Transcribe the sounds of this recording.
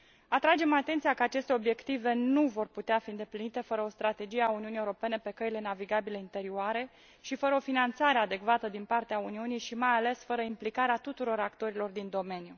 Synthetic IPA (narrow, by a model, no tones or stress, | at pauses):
at̪ɾad͡ʒe̞mat̪e̞nt̪ijakəat͡ʃe̞st̪e̞o̞bje̞kt̪ive̞nuvo̞rput̪eafiɨnd̪e̞plinit̪e̞fəɾəo̞st̪ɾat̪e̞d͡ʒije̞auniunijewɾo̞pe̞nepe̞kəile̞naviɡabiləint̪e̞ɾioaɾe̞ | ʃifəɾəo̞finant̪saɾead̪e̞kvat̪əd̪inpart̪eauniunijʃimajale̞sfəɾəimplikaɾeat̪ut̪uɾo̞ɾakt̪o̞ɾilo̞rd̪ind̪o̞me̞nju